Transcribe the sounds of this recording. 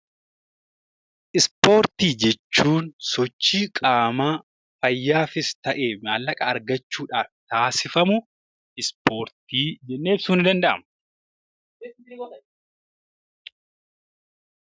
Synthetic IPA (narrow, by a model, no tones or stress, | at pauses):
ʔɪspo̞ːɾt̪iːd͡ʒɛt͡ʃːuːnsɔt͡ʃːiːkʼaːmaː | fɐjːaːfɪst̪ɐʔeːmaːlːɐkʼɐːɾɡɐt͡ʃːuːᶑaːft̪aːsɪfɐmʊ | ɪspo̞ːɾt̪iːd͡ʒɛnːe̞ːfsuːnɪd̪ɐnd̪ɐʔɐ̰m